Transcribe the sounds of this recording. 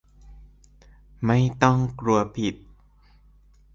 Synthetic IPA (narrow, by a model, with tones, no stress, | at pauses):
ma˥˩jt̪ɔ˥˩ŋkɾu˧ɐpʰi˨˩t̪̚